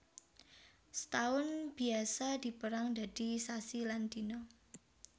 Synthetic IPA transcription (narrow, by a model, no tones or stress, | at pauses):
sət̪aʊnb̥i̤asad̪̥i̤pəɾaŋd̪̥a̤d̪̥i̤sasiland̪inɔ